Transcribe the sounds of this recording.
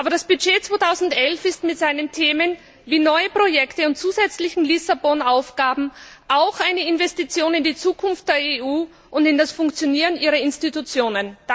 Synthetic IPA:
ʔaːbɐd̥asb̥yd͡ʒeːt͡sv̥oːtʰaʊzn̩tʔɛlfɪstmɪtz̥aɪnəntʰeːmən | viːnɔʏəpʁ̥ojɛktəʊntt͡suːzɛt͡slɪçn̩lisabɔnaʊfɡ̥aːbm̩ʔaʊxaɪnəɪnvɛstit͡sjoːnɪndiːt͡suːkʰʊnft̚d̥eːɐeuː | ʔʊndɪndasfʊŋkt͡sjoniːʁənʔiːʁɐɪnstitut͡sjoːnən̥

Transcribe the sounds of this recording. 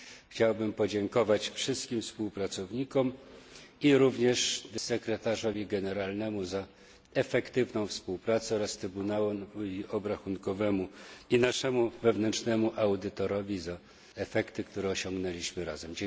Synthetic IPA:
xt͡ɕawbɘmpɔd͡ʑɛŋkɔvat͡ɕfʂɘst̪kʲimfspuwpɾat̪sɔvɲikɔm | iɾuvɲɛʂsɛkɾɛt̪aʐɔvʲiɡɛnɛɾalnɛmuza | ɛfɛkt̪ɘvnɔ̃w̃fspuwpɾat̪sɛɔɾast̪ɾɘbunawɛiɔbɾaxunkɔvɛmuinaʂɛmuvɛvnɛntt͡ʂnɛmuʔawd̪ɘt̪ɔɾɔvʲiza | ɛfɛkt̪ɘkt̪uɾɛɔɕɔ̃ŋɡnɛlʲiɕmɘɾazɛmd͡ʑ

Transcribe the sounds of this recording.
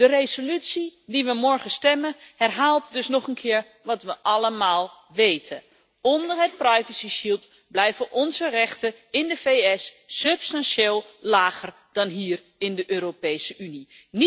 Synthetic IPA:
dərejzolytsidiʋəmɔɹχəstɛməhɛrɦaːlˠtdɵsnɔχənkʰɪːɹ | ʋɑtʋəʔɑləmaːlˠ | ʋejtʰə | ɔndəɹɦət̚prajvəsiʃilˠt | blɛjvəʔɔnzərɛχtəɪndəveɛsːɵpstɑnʃeːlˠlaːχər | d̥ɑnɦiːɹ | ɪndəʔøːropejsəʔyni | n

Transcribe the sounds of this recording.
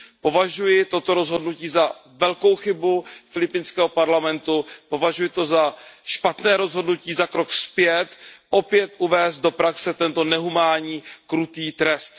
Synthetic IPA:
po̞vaʒujɪt̪o̞t̪o̞ɾo̞zɦo̞dnuciːzavɛlko̞wxɪbufɪlɪpɪnskɛːɦopaɾlamɛnt̪upo̞vaʒujɪt̪o̞zaʃpat̪nɛːɾo̞zɦo̞dnuciːzakɾo̞kspjɛt̪ʔo̞pjɛt̪ʔuvɛːst̪̚do̞pɾaksɛt̪ɛnt̪o̞nɛɦumaːɲiːkɾut̪iːt̪ɾɛst̪

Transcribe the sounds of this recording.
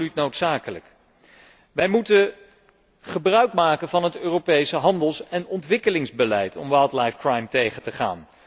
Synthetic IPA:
lytnowtsaːkələ̰k | ʋɛjmutə | χəbrœɥk̚maːkənvɑnɦətøːrowpejsəɦɑndəlˠsɛnɔntʋɪkəlɪŋzbəlɛjtʰɔ̰mʋalˠtlɑjfkrajmtejχəntəχa̰ːn

